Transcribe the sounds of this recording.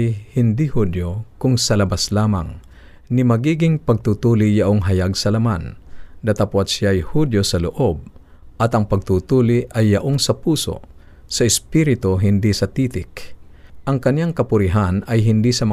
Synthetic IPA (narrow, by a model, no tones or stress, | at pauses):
jhɪnd̪ihud̪jokʊŋsɐlɐbaslaːma̰ŋ | nɪmɐɡiːɡɪŋpɐɡ̚t̪uːt̪uːlɪjaʔoŋɦɐjaɡsɐlɐmand̪ɐt̪aposjajhud̪josɐlʊʔob̚ | ʔɐt̪ɐŋpɐɡ̚t̪uːt̪uːlɪʔɐjːɐʔoŋsɐpuːso̰ | sɐɪspiɾɪt̪oɦɪnd̪isɐt̪iːt̪ɪkʔɐŋkɐnjaŋkɐpʊɾɪɦanɐjɦɪnd̪isɐm